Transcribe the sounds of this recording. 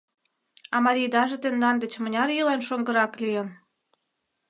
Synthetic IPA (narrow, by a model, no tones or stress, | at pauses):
ɑmɑɾʲijd̪ɑʒet̪end̪ɑnd̪ĕt͡ɕmə̆nʲɑɾilenʃoŋɡə̆ɾɑklijə̆n